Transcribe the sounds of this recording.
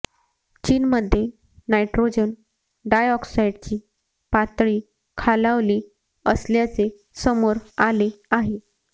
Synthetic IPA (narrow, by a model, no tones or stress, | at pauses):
t͡ɕiːnməd̪ʱːje | najʈɾod͡ʑən | ɖajɔksaiɖt͡ɕiː | pat̪ɭiː | kʰalaʋliː | əsljat͡se | səmoɾaleaɦe